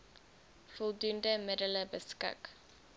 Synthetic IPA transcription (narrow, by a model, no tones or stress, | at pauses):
fɔlˠdundəmɪdələbəskɪ̰k